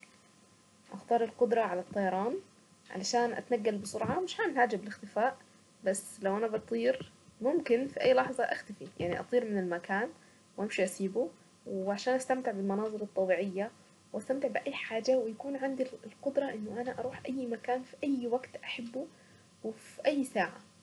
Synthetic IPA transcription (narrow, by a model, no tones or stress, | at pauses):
ʔɑxt̪ɑːɾˤɪlqʊd̪ɾˤɑʕalat̪ˤːɑjɑɾˤɑːn | ʕa̰laʃaːnʔa̰t̪naɡːalbɪsʊɾʕɑmɪʃħanɦaːd͡ʒabɪlɪxt̪ɪfaːʔ | baslawʔanabɪt̪ˤiːɾ | mʊmkɪnfiʔajːlɑħzˤɑʔaxt̪afija̰ʕnḭʔɑ̰t̪ˤiːɾmɪnɪlmakaːn | wʔamʃiʔasiːbu | wʕaʃaːnʔast̪amt̪ɪʕbɪlmɑnɑːzˤɨlɑt̪ˤːɑbiːʕɪjːa | wʔast̪amt̪ɪʕbɪʔajːħaːd͡ʒawɪjakuːnʕand̪ilqʊd̪ɾˤɑʔɪnːʊʔanaʔɑɾˤuːħʔajːmakaːnfiʔajːwaɡt̪ʔaħabːu | wɪfiʔajːsaːʕa